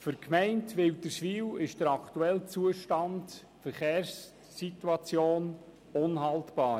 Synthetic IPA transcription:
fʏɾkmɛɪntʋɪwd̥əʃʋiːwɪʃd̥əɾɑkʰtuɛlt͡suəʃtɑnd̥ | fəɾχeːɾsː | ituɑt͡sjoːn | onɦɑltb̥ɑː

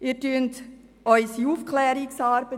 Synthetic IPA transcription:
iːɾtyːnt | ɔʏsiuːfkʰlɛːɾiksɑːɾb̥ə

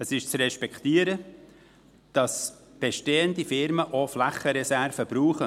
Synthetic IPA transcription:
əsɪʃt͡srɛʃpɛkt̪iːəɾə | d̥ɑs | b̥ɛʃteːəndifɪɾməʔoflæχəɾɛsæɾvəb̥ɾuːχə

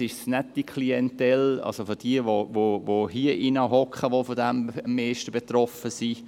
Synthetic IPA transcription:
ɪʃsnɛtːikʰliɛntɛlɑ̰lsofod̥iəʋovovohiəʔinəɦɔkχəʋofodɛmmːeːʃtəbet̪rɔfəsi

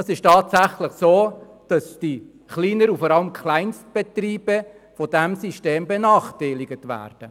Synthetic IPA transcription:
ɑsɪʃtɑːtsæχləχsoː | d̥ɑsd̥i | χliːnəɾufɔɾɑləmkʰχlaɪnst̚b̥etriːb̥ə | fɔdæmsiʃteːmbɛnɑːχtaɪlɪɡətʋæ̰ːrd̥ə

